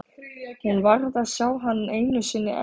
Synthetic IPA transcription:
hunvaɾðaðsjaːwɦanːeːjnʏsɪnːɪ̰ʔɛ̰

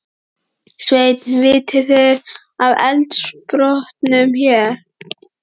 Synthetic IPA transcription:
svejt̪nvɪːt̪ɪθeɾ | avɛ̰lt̪spɾɔht̪nʏmçɛɾ̥

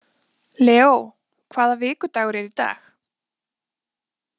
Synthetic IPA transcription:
lɛːow | kʰvaːðavɪːkʏt̪aːɣʏɾɛɾit̪a̰ːx

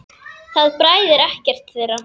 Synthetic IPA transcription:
θaðpɾaːjðɪɾɛhcɛr̥t̪θɛːɾa

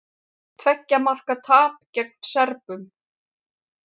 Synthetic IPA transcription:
t̪ʰvɛcːamar̥kat̪ʰaːp̚cɛk̚nsɛɾpʏm

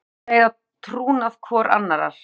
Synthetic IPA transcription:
eːjða | t̪ʰɾuːnaðkʰvɔːɾʔa̰nːaɾa̰ɾ̥

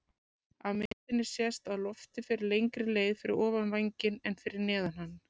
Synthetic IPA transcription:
awmɪt̪ɪnːɪ̥sjɛst̪aðlɔft̪ɪfɪɾɪɾlejŋkɾɪleːjðfɪɾɪ̰ɾɔːvanvajɲcɪnɛnfɪɾɪɾnɛːðanhanː

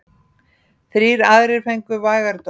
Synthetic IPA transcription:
θɾiːɾaðɾɪɾ̥fɛjŋkʏvaːjɣaɾt̪

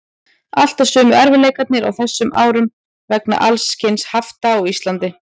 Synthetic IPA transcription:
al̥t̪asœːmʏʔɛɾvɪleːjkat̪nɪɾa̰wθɛsːʏmʔa̰ːwɾʏm | vɛkna̰ʔalsːcʰɪnshaft̪aɔɣist̪lant̪ɪ

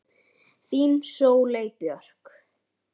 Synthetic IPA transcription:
θiːnsoːwlejpjœr̥k

